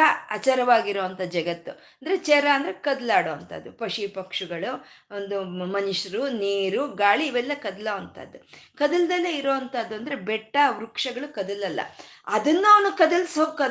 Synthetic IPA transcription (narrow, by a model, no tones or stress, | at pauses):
ɐɐt͡ʃɐɾɐʋaːɡiɾoːʋɐnt̪ʰɐd͡ʒɐɡɐt̪ːuɐnd̪ɐɾet͡ʃɛɾɐɐnd̪ɐɾekɐd̪laːɽoːɐnt̪ɐ̰d̪ːupɐʂipɐkʂuɡɐɭu | ond̪umɐniʂɐɾuniːɾuɡaːɭiːʋɛlːɐkɐd̪loːʋɐnt̪ʰɐ̰d̪ːukɐd̪ɐld̪ɐlːeiɾoːɐnt̪ɐd̪ːuɐnd̪ɐɾebɛʈːɐʋɾukʂɐɡɐɭukɐd̪ɐlɐlːɐ̰ɐd̪ɐnːaːnukɐd̪ɐlsoːɡkɐ